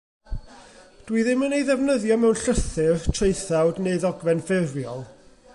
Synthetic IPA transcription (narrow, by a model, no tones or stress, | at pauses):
d̥wiðɪmənejðɛvnəðjɔmɛwnɬəθɨrtʰreɨθawdneɨðɔɡvɛnfɪrvjɔlˠ